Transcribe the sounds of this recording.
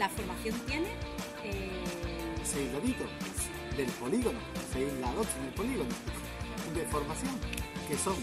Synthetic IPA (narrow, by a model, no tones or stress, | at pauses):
lafo̞ɾmaθjont̪je̞ne | e | sejzreβit̪o | d̪e̞lpo̞liɣono̰sejzlaðot͡ʃeðelpo̞liɣ̞ono | iðefo̞ɾmaθjoŋkesoŋ